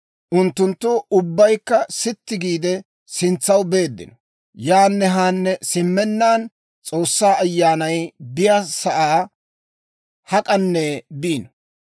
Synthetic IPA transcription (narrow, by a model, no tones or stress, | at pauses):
ʔʊnt̪ːʊnt̪ːʊʊbːɐjkːɐsɪt̪ːɪɡiːd̪ɛ | sɪnt͡sːɐwbe̞ːd̪ːɪ̰nɔ̥ | jaːnːɛɦaːnːɛsɪmːɛnːaːn | t͡sʼo̞ːsːaːɐjːaːnɐjbɪjasɐʔaː | hɐkʼɐnːebiːnɔ